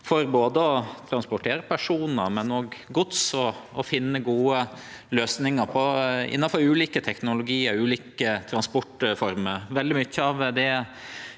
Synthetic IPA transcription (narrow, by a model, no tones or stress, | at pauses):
fɔɾboːd̪əɔt̪ʰɾɑnspʊʈʰeːɾəpʰæʂuːnəɾmɛnɔɡːʊt̪sɔɔfɪnːəɡuːəløːsnɪŋəɾpʰɔɪ̰nːɑnfɔɾʉːliːkət̪ʰɛknʊlʊɡiːəɾʉːliːkət̪ʰɾɑnspɔʈfɔɾməɾʋɛld̪ɪmʏçːəɑʋd̪ɛ